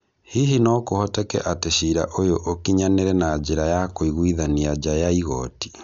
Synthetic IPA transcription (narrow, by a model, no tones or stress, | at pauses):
hiɦinɔkohɔtɛkɛ̰ʔateʃiɾa̰ʔojoʔokiɲaneɾɛnad͡ʒeɾajakoiɣwiðaniad͡ʒajaiɣɔ̰ːti̥